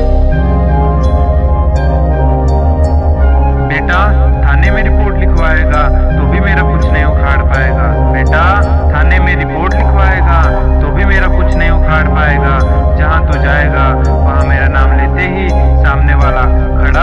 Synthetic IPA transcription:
beːʈa | t̪ʰaːnemẽɾɪpoːɾʈlɪkʰʋaːeːɡat̪obʱimeːɾakʊt͡ʃʰnɐɦĩʊkʰaːɽpaːeːɡaː | beːʈa | t̪ʰaːnemẽɾɪpoːɾʈlɪkʰʋaːeːɡa | t̪obʱimeːɾakʊt͡ʃʰnɐɦĩʊkʰaːɽpaːeːɡa | d͡ʒɐɦãt̪od͡ʒaːeːɡa | ʋɐɦãmeːɾanaːmleːt̪eɦi | saːmneʋaːlakʰɐɽa

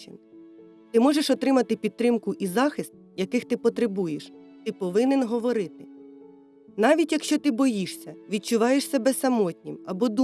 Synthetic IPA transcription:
t͡ʃɪ̰n | t̪ɪmɔʒeʃɔt̪ɾɪmɐt̪ɪpʲid̪̚t̪ɾɪmkʊʔizɑxɪst̪̚jɐkɪxt̪ɪpɔt̪ɾebujeʃt̪ɪpɔʋɪnenɦɔʋɔɾɪt̪ɪ | nɑʋʲitʲjɐkʃt͡ʃɔt̪ɪbɔjiʃsʲɐʋʲid̪̚t͡ʃʊʋɑjeʃsʲɐbɛsɐmɔtʲnʲimɐbɔd̪u

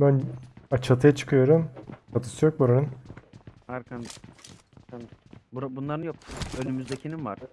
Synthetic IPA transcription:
bænat͡ʃʰat̪ʰɯjat͡ʃʰɯ̥kʰɯjo̞ɾumat̪ʰɯ̥sɯjok̚buɾanɯn | maɾkʰan | anbuɾabunlˠaɾɯnjok̚ølʲymyzd̪ecʰininva̰ɾ̥

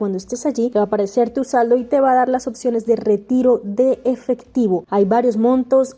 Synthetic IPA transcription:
wand̪oest̪e̞saʝieβapaɾeseɾt̪usald̪oit̪e̞βaðaɾlaso̞psjo̞ne̞zðe̞re̞t̪iɾo̞ðe̞ːfe̞kt̪iβo̞ajβaɾjo̞zmõ̞nt̪o̞s

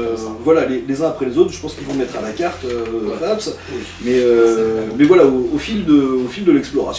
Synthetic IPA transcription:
vwalalelezɛ̃apχɛlezot̪χʒəpɑ̃skʲilvɔ̃mɛt̪χalakaʁt̪øaps | mɛømɛvwalaoofild̪əofild̪əlɛksplɔʁa̰s

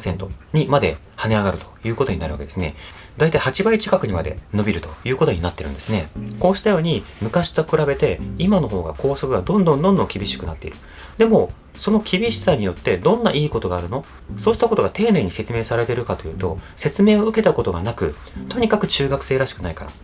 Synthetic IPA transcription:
sẽ̞nt̪o̞ɲ̟imad̪e̞̰ | hane̞aɡaɾɯ̟t̪o̞̥jɯ̟ːko̞t̪o̞ɲina̰ɾɯ̟a̰ke̞d̪e̞sɨne̞̰ | d̪ait̪aihat͡ɕibait͡ɕi̥kakɯ̟ɲ̟imad̪e̞̰no̞bʲiɾɯ̟t̪o̞jɯ̟ːko̞t̪o̞ɲ̟inat̪ːeɾɯ̟̰̃nd̪e̞sɨne̞ko̞ːɕi̥t̪ajo̞ːɲ̟i | mɯ̟kaɕi̥t̪okɯ̟ɾabe̞t̪e̞imano̞ɦo̞ːɡa̰ko̞ːso̞kɯ̟ɡad̪õnd̪õ̞nd̪õnd̪oŋkʲibʲiɕi̥kɯ̟nat̪ːe̞iɾɯ̟ | d̪e̞mo̞ | so̞no̞kʲʰibʲiɕi̥saɲ̟ijo̞t̪ːe̞d̪õ̞nːa̰ʔiːko̞t̪o̞ɡaːɾɯ̟no̞ | so̞ːɕi̥t̪akot̪o̞ɡat̪e̞ːne̞ːɲ̟ise̞t͡sɨme̞ːsaɾe̞t̪eɾɯ̟kat̪o̞jɯ̟ːt̪o̞̰se̞t͡sɨme̞ːo̞ɯ̟ke̞t̪ako̞t̪o̞ɡanakɯ̟ | t̪o̞ɲ̟ikakɯ̟t͡ɕɨːɡakɯ̟̥seːɾaɕi̥kɯ̟naikaɾa̰

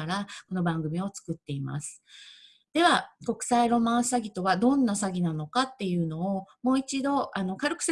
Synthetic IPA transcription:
ɾako̞no̞bãŋɡɯ̟mʲio̞t͡sɨ̥kɯ̟t̪ːe̞ima̰sɨ̥ | d̪̥e̞βako̞kɯ̟̥saiɾo̞mãɰ̃ssaɡʲit̪o̞βad̪õ̞nːasaɡʲinano̞kat̪ːe̞jɯ̟ːno̞ːmo̞ːit͡ɕid̪o̞ano̞kaɾɯ̟kɯ̟̥se

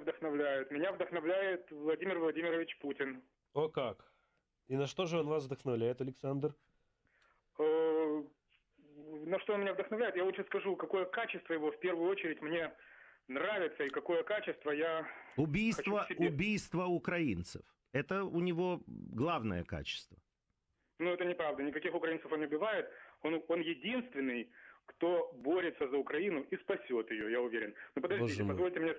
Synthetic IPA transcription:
vd̪əxnɐvlʲæjɪt̪mʲɪnʲavd̪əxnɐvlʲæjɪt̪vlˠɐdʲimʲɪrvlˠɐdʲimʲɪɾəvʲɪt͡ɕputʲɪn | okak | inɐʂt̪o̞ʐɨo̞nvasvd̪əxnɐvlʲæjɪt̪ɐlʲɪksand̪r | ə | nɐʂt̪oonmɪnʲavd̪əxnɐvlʲæɪt̪javot̪ʂəskɐʐukɐko̞jəkat͡ɕɪst̪vəjɪvo̞fpʲervʊjʊot͡ɕɪɾʲɪtʲmnʲe̞nravʲɪt̪səɪkɐko̞jəkat͡ɕɪst̪vəjaʊbʲijst̪vəɪʊbʲijst̪vəʊkɾɐint̪sɨ̰f | ɛt̪əʊnʲɪvo̞ɡlˠavnə̰jə̰ka̰t͡ɕɪ̥st̪və | nuɛt̪ənʲɪpɾavd̪ənʲɪkɐkʲixʊkɾɐint̪əfo̞nʊbʲɪvajɪt̪ononjɪdʲinst̪vʲɪnːɨjkt̪o̞boɾʲɪt̪səzəʊkɾɐinʊʔispɐsʲo̞t̪jɪjojaʊvʲeɾʲɪnnupəd̪ɐʒʐʲiɪpɐzvo̞lʲtʲɪmnʲe

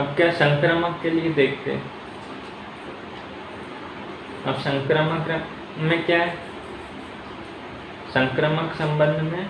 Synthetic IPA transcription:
əbkjasə̃ŋkɾəməkːelied̪eːk̚ʰt̪ḛɦɛ̰̃ | a̰bsə̃ŋkɾəməkɾɐ | mẽkjaːɦɛ | sə̃ŋkɾəməksɐ̃mbə̃nd̪ʱmẽ

